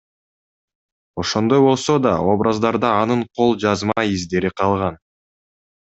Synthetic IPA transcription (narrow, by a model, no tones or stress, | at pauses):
o̞ʃo̞nd̪o̞jbo̞lˠso̞d̪ɑo̞bɾʔazd̪ɑɾd̪ɑːnɯɴqʰo̞lˠd͡ʒɑzmɑizd̪e̞ɾiqʰɑlˠʁɑn